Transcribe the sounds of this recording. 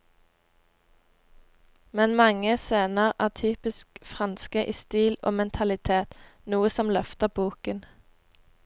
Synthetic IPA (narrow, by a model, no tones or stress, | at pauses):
mɛnmɑŋəseːnəʁæːʁt̪ʰyːpɪskfʁɑnskəʔɪːst̪iːlo̰ːmɛnt̪ʰɑlɪt̪ʰeːt̪nuːəsɔmlœft̪əbuːkən